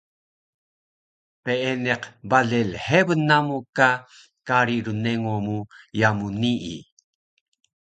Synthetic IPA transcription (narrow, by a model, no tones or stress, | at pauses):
peeneqbaɮelħevənːamuka | kaɾiɾuneŋomujamuniʔḭ